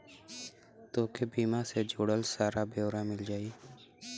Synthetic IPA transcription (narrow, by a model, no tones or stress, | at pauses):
t̪oːkebiːmãːseːd͡ʒoːɽəlsaːɾaːbʱeːwɾaːmɪld͡ʒaːiː